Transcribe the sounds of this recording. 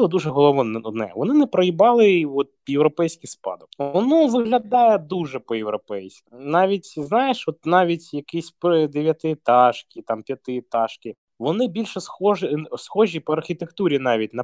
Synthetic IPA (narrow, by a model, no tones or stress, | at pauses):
blˠɔd̪uʒɛɦɔlˠɔʋɔnɔnɛ̰ʋɔnɪnɛpɾɔjibɑlˠɪɔt̪̚jewɾɔpɛjsʲkɪspɑ̰d̪ʊkɔnɔʋɪɣlʲɐd̪ɑjɛd̪uʒɛpɔjɛwɾɔpɛjsʲknɑʋʲitʲznɑjeʃɔt̪nɑʋʲitʲjɐkisʲpd̪eʋʲjɐt̪ɪt̪ɑʃkʲit̪ɑmpʲjɐt̪ɪt̪ɑʃkɪ | ʋɔnɪbʲilʲʃɛsxɔʒɪsxɔʒʲipɔɐrxʲit̪ekt̪uɾʲinɑʋʲit̚ʲnɐ